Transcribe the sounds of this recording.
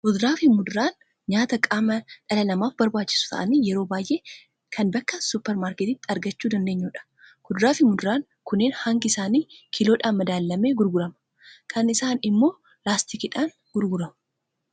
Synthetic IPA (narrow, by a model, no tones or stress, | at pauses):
ɡʊd̪ɾaːfɪmʊd̪ʊɾaːn | ɲaːt̪ɐkʼaːmɐᶑɐlɐnɐmaːfbɐɾbaːt͡ʃːɪ̥sʊ̥t̪ɐ̰ʔɐniːjɛɾo̞ːbaːjʔe̞ː | kʰɐnbɐkːɐsʊpːɛɾmaːɾket̪ɪt̪ːɐɾɡɐt͡ʃːuːd̪ɐnd̪eːɲːuːᶑɐ̥ | ɡ̥ʊd̪ɾaːfɪmʊd̪ɾaːŋ | kʊnːeːnhɐŋɡɪɪsaːniːkʰɪloːᶑaːnmɐd̪aːlːɐme̞ːɡʊɾɡʊɾɐmɐ̥ | kʰɐnɪsaːnɪmːo̞ː | laːst̪ikɪᶑaːŋ | ɡ̥ʊɾɡʊɾɐmɐ